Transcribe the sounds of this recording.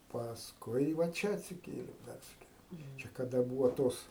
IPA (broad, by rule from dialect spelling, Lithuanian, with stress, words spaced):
pɐsˈkʊɪ ʋɐ ˈt͡ʃʲɛ ɐtʲsʲɪˈkʲeːlʲeːm ˈpʲɛrʲsʲɪkʲeːlʲeːm kɐˈdɐ ˈbuːʋɐ ˈtoːs